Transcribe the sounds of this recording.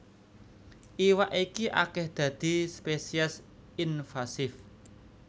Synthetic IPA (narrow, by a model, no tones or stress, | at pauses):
ʔiwaʔikiʔa̰kɛhd̪̥ä̤d̪̥i̤spesias | infasɪf